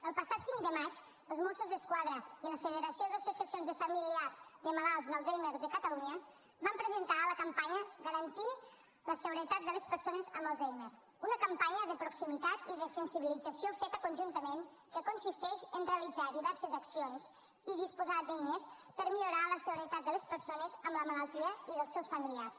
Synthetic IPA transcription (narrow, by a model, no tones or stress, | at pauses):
əlˠpəsat̪siŋd̪əmat͡ʃ | əzmosəzðəskwaðɾəiləfəðəɾəsioðəsjusiəsionzðəfəmiliarzðəmalalˠzðəlˠzejmeɾðəkət̪əluɲə | bampɾəzənt̪aləkəmpaɲəɣəɾənt̪in | ləsəɣuɾət̪at̪̚d̪ələspəɾsonəzəməlˠzejmeɾ | unəkəmpaɲəðəpɾuksimit̪at̪iðəsənsiβilid͡zəsiofet̪əkunʲʒunt̪əmen | kəkunsist̪ɛʃənreəlid͡zaðiβɛɾsəzəksions | iðispuzad̪ɛɲəspəɾmiʎuɾaləsəɣuɾət̪at̪̚d̪ələspəɾsonəzəmləmələlˠt̪iəiðəlˠsɛwsfəmiliars